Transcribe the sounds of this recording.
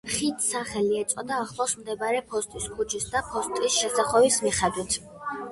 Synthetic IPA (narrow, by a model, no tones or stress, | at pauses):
χit̪ʰsaχɛliɛt̪sʼɔd̪aːχlˠɔsmd̪ɛbaɾɛpʰɔst̪ʼiskʰut͡ʃʰisd̪apʰɔst̪ʼisʃɛsaχɔvismiχɛd̪wit̪ʰ